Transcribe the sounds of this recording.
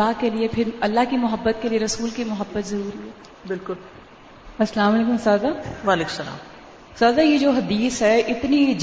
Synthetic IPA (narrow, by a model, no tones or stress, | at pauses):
aːkeliepʰɪɾɐlːaɦkimʊɦəbːət̪̚kelieɾɐsuːlkimʊɦəbːət̪zɐɾuːɾiɦɛː | bɪlkʊl | ɐsɐlaːmɐleːkʊ̃msaːd̪aːʋaːleːkmsɐla̰ːm | saːd̪ajed͡ʒoːɦɐd̪iːsɦɛʔɪt̪nid͡ʒ